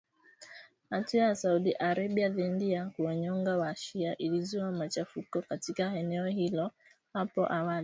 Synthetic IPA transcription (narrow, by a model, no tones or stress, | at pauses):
atuajasauɗiʔaɾabiaðɛndiakuaɲɔŋɡawaʃiaʔilizuamat͡ʃafukɔkatikaɛnɛɔhilɔ | hapɔ̰ʔawali